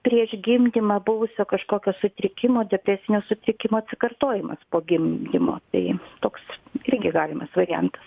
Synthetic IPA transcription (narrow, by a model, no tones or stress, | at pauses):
pʲɾʲiɛʃɡʲɪmʲd̪ʲɪmɑbʊʋʊsʲoːkɐʃkoːkʲoːsʊt̪ʲɾʲɪkʲɪmoːd̪ʲɛpʲɾʲæːsʲɪnʲoːsʊt̪ʲɾʲɪkʲɪmoːɐt̪ʲsʲɪkɐrt̪oːjɪmɐ̰spoːɡʲɪmʲd̪ʲɪmo̰ːt̪ɐɪt̪oːksɪɾʲɡʲɪɡɑːlʲɪmɐsʋɐɾʲɪjɛ̰nt̪ɐ̥s